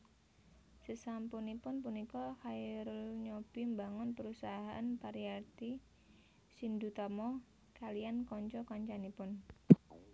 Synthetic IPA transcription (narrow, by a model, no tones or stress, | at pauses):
səsampunipʊnpunikɔhaiɾəlɲɔb̥imbaŋʊnpəɾusaɦaʔanpaɾiart̪i | sind̪ut̪ɔmɔ | kaliankɔɲt͡ʃɔkɔɲt͡ʃanipʊn